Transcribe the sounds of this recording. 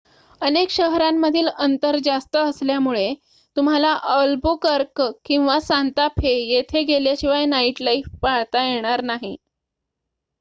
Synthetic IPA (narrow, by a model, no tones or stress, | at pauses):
ənekɕəɦɾamːəd̪ʱiːlənt̪əɾd͡zast̪əəsljamuɭe | t̪um̤alaʔəlbukəɾkkĩw̃ʋasant̪apʰejet̪ʰeɡeljaɕĩʋajnaiʈlaifpaɭt̪ajeɽ̃aɾnaɦi